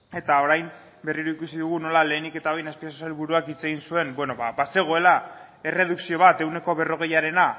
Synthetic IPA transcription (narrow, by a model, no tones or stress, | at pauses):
e̞t̪ao̞ɾajm | be̞riɾuikusiðuɣ̞uno̞lale̞ːnike̞t̪aβajnaspiasosalβuɾuakit͡se̞ɣ̞insue̞mbwe̞no̞βabase̞ɣ̞o̞e̞la | e̞re̞ð̞uksio̞β̞at̪e̞wne̞ko̞βe̞ro̞ɣ̞e̞jaɾe̞na